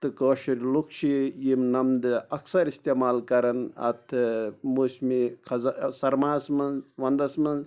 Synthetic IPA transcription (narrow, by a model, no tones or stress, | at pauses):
t̪ɨkoːʃiɾlukt͡ʃʰijimnɐmd̪ɨɐksɐɾist̪eːmaːlkɐɾɐnɐ̰t̪ʰɨmosmikʰɐzsɐɾmaːsmɐnzʋɐnd̪ɐsmɐnz